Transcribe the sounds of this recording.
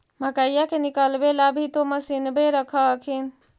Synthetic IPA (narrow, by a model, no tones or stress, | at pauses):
məkəjakenikəlbelabʱit̪oməsinbeɾəkʰəkʰin